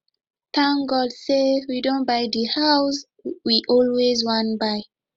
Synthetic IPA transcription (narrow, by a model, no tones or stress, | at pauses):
tʰãŋɡɔdsewidõnbajdəhaʊs | wiʔɔlwezwãnbaɪ